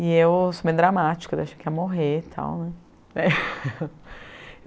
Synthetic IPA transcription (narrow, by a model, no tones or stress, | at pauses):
ɪewsomẽd̪ɾamat͡ʃi̥kɐd̪eʃɐ̥kɪɛmoɦet̪ʰa̰w̃nɛ̃ | ɛ